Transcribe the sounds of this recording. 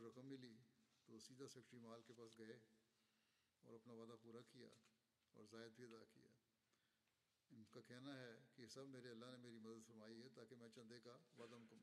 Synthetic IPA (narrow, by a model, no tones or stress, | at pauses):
ɾɐkəmːɪlit̪osiːd̪asefʈimaːlkepaːsɡɐe | ɔ̰ːɾɐpnaʋaːd̪apuːɾakija̰ː | ɔ̰ːɾzaːɪd̪̚bʱiɐd̪aːkḭja̰ː | ɪnkakɛɦnaɦɛkesɐbmeːɾeɐlːanemeːɾimɐd̪əd̪fɐɾmaːiɦɛt̪aːkemɛ̃t͡ʃɐ̃nd̪ekaʋaːd̪amʊkɐm